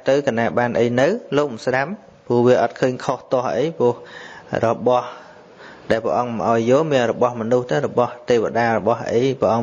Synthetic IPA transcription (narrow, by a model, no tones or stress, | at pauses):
t̪ɨwkanaːɓaːnʔəjnɨwloːk̚mmsɗam | puəhʋiəʔɑt̪̚kʰəːɲkʰoht̪ŏəhʔəjpʊ̆əhrɔɓɑh | ɗaɛlpɛ̰ʔɑŋmʔaɔjːoːlmiənrɔɓɑhmɔnuht̪ɨrɔɓɑht̪eːʋa̰ɗaːrɔɓɑhʔə̰jpɛəʔɑŋ